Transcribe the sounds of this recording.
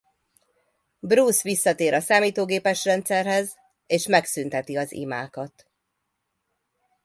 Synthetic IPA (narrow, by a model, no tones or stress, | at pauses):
bruːsʋisːɒt̪eːɾɒsaːmiːt̪oːɡeːpɛʃrɛnt̪sɛrɦɛz | eːʃmɛksynt̪ɛt̪iɒzḭma̰ːkɒt̪